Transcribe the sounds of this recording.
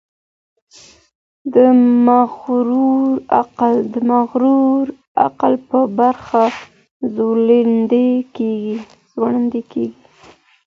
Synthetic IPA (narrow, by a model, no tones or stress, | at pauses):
d̪əmaɣɾuɾaqald̪əmaɣɾuɾ | a̰qalpəbaɾxa | zolend̪ekeɡi | z̥waɳənd̪ekeɡi